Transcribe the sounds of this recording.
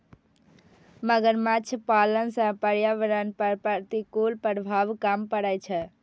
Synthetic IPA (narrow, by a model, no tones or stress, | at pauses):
məɡəɾmat͡ʃʰpalənsə̃pəɾjaʋəɾənpəɾpəɾt̪ikolpəɾbʱaʋkampəɽɛt͡ʃʰɛ